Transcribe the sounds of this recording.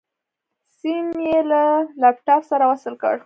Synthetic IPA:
sinjelalapʈɑpsaɾawasəlkə̰ɽ

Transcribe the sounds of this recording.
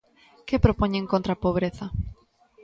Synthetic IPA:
kepɾopoɲẽŋkõnt̪ɾɐpoβ̞ɾeθɐ

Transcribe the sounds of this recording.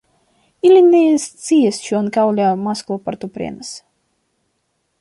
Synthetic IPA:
ilʲinʲijst̪sijɛsʃuɔnkawlʲaːmasklˠɔpaɾt̪upɾʲḭɛnəs

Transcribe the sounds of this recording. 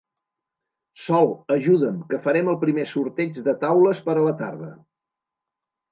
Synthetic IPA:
sɔlˠəʒuðəmkəfəɾɛməlˠpɾimesuɾt̪ɛd͡ʒðət̪awləspəɾələt̪aɾðə

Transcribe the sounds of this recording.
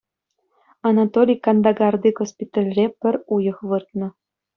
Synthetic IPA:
ɑnɑt̪olʲijkɑnd̪ɑɡɑrd̪iɡospʲit̪ɑlʲrʲepɘ̆rujɤ̆xβɯrt̪̚nɤ̆

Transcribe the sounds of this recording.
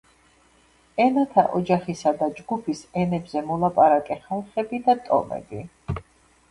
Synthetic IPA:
ɛnat̪ʰa̰ʔɔd͡ʒaχisad̪ad͡ʒɡupʰisɛnɛbzɛmɔlˠapʼaɾakʼɛχalˠχɛbid̪at̪ʼɔ̰mɛ̰bi

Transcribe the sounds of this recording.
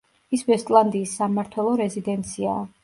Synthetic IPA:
isbɛst̪ʼlˠand̪iːsːamaɾt̪ʰwɛlˠɔɾɛzid̪ɛnt̪sʰia̰ː

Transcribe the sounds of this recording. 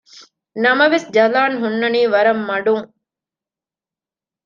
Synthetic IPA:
nɐmɐʋesd͡ʒɐlaːnɦunːɐniːʋɐɾɐmːɐɖuŋ

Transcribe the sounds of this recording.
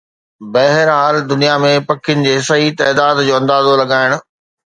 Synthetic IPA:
bɛɦɪɾɦaːld̪ʊnijamẽpɐkʰɪjʊnɪ̆d͡ʑeːɪsait̪ɐːd̪aːd̪d͡ʑoːɐ̃nd̪aːzolɐɡaːɪɽ̃ʊ̆

